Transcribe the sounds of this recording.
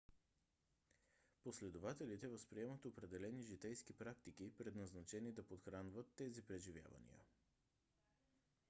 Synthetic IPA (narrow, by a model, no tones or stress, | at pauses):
poslɛd̪ʊvat̪ɛlit̪ɛvəspɾiɛmət̪opɾɛd̪ɛlɛniʒit̪ɛjskipɾak̚t̪ik̟ipɾɛd̪nɐznɐt͡ʃɛnid̪ɐpot̪xɾanvət̪ːɛzipɾɛʒivʲja̰və̰nḭə̰